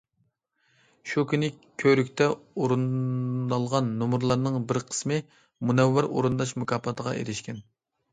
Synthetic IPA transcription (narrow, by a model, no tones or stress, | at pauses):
ʃukʲynɪ | kʲʰøɾykʲt̪ʰɛoɾunɑlˠʁɑnːumuɾlˠɑɾnɨŋbɪɾqʰə̥smɨ | munɛwːæɾʔo̰ɾɨnd̪ɑʃmukʰʲɑːpʰɑt̪ʰəʁɑ̰ʔḛɾɪʃkʲɛn